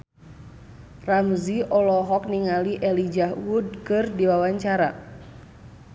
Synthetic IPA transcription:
ramziʔɔlɔɦɔk̚niŋaliʔɛlid͡ʒawud̚kɨrdiwawaɲt͡ʃaɾa

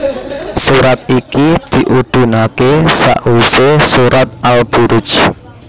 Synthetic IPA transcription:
suɾat̪̚ikid̪̥i̤ʔud̪̥ṳnakesa̰ʔusesuɾat̪̚alb̥uɾʊt͡ʃ

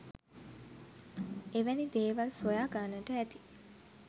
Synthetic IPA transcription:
eʋænid̪eːʋalsojaːɡaːnəʈəæt̪i̥

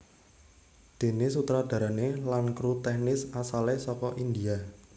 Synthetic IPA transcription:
d̪̥e̤nɪsut̪ɾad̪̥a̤ɾanelankɾut̪ɛhnɪsasalesɔkɔʔind̪ia

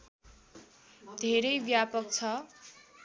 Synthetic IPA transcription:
d̪ʱeɾʌjbjapʌk̚t͡sʰʌ

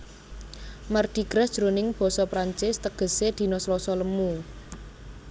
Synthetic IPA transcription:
mərd̪̥i̤ɡ̥ɾad̥ʒ̥ɾonɪŋb̥ɔ̤sɔpɾaɲt͡ʃɪst̪əɡ̥ə̤sed̪̥i̤nɔslɔsɔləmu

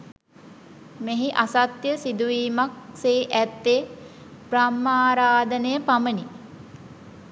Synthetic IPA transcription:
meɦiʔasat̪jəsid̪uʋiːmak̚seːʔæt̪ːe | bramːaːɾaːd̪ənəjəpaməni

